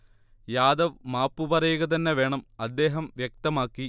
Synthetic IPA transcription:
jaːd̪ɐʋmaːpːupɐrɐjuɣɐt̪̬ɐnːeʋeːɳɐmɐd̪ːe̞ːɦɐmʋjek̚t̪ɐmaːkːi

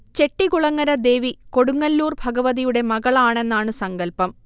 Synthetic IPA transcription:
t͡ɕe̞ʈːiɣuɭɐŋːɐɾɐd̪e̞ːʋiko̞ɽuŋːɐlːuːrbʱɐɡɐʋɐðijuɽe̞mɐɣɐɭaːɳe̞nːaːɳɨsɐŋɡɐlpɐm

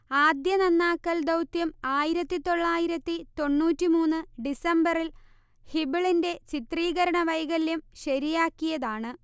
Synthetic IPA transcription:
aːd̪jɐnɐnːaːkːɐld̪ɐwt̪jɐmaːjiɾɐt̪ːit̪o̞ɭːaːjiɾɐt̪ːit̪o̞ɳːuːtːimuːnːɨɖisɐmbɐril | hibiɭinde̞t͡ɕit̪riːɣɐɾɐɳɐʋɐjɣɐlːumɕɐɾijaːkːijɐðaːɳɨ

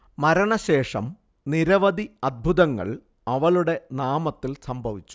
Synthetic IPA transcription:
mɐɾɐɳɐɕe̞ːʂɐm | niɾɐʋɐd̪iɐd̪̚bʱuðɐŋːɐ̰ɭ | ɐʋɐɭuɽe̞naːmɐt̪ːilsɐmbʱɐʋit͡ɕːu̥

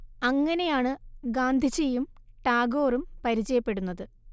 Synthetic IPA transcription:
ɐŋːɐne̞jaːɳɨɡaːnd̪ʱit͡ɕːejumʈaːɡo̞ːrumpɐɾit͡ɕːɐjɐpːe̞ɽunːɐðɨ

